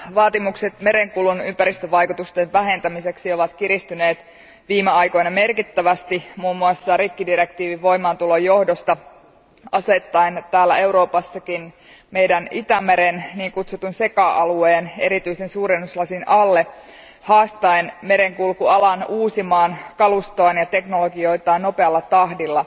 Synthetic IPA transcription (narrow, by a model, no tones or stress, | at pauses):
ʋɑːt̪imukse̞t̪me̞ɾeŋkulunympæɾist̪øʋɑjkut̪ust̪eʋʋæɦe̞nt̪æmiseksio̞ʋɑt̪kiɾist̪yne̞ːt̪ | ʋiːmeɑjko̞jnɑme̞rkit̪ːæʋæst̪imuːmːuɑsːɑɾikːidiɾe̞k̚t̪iːʋiʋʋo̞imɑːnt̪ulo̞jo̞hdo̞st̪ɑ | ɑset̪ːɑent̪æːlːæ̰e̞wɾo̞ːpɑsːɑkin | me̞jdænit̪æmeɾenniːŋkut̪sut̪unse̞kɑʔɑlueːne̞̰ɾit̪yisensuːɾenːuslɑsinʔɑlːe̞ | hɑːst̪ɑenme̞ɾeŋkulkuɑlɑnuːsimɑːnkɑlust̪oːnjɑt̪e̞knoloɡio̞jt̪ɑːno̞peɑlːɑt̪ɑhdilːɑ